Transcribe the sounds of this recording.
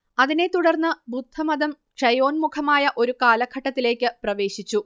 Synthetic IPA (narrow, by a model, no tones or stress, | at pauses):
ɐðine̞t̪uɽɐrnːɨbud̪ʱːɐmɐðɐm | ʂɐjo̞ːnmukʰɐmaːjɐʔo̞ɾukaːlɐkʰɐʈːɐt̪ːile̞ːkʲːɨprɐʋe̞ːɕit͡ɕːu